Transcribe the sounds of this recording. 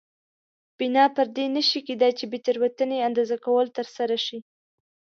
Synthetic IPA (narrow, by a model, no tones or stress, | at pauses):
b̥inɑpəɾd̪enəʃiked̪ɑjt͡ʃebet̪aɾwat̪əneand̪ɑzakawəlt̪əɾsaɾaʃi